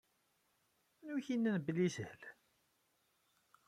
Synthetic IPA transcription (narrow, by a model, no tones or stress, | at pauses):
nuçinːænblːisəhəl